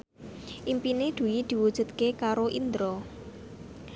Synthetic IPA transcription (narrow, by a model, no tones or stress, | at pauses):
ʔimpined̪̥ṳid̪̥i̤wud̥ʒ̥ṳt̪̚kekaɾoʔind̪ɾɔ